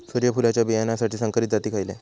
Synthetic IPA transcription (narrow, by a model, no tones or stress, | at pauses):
soɾjəpulat͡ɕjabijanasaʈʰiːsəŋkəɾit̪d͡zat̪iːkʰajile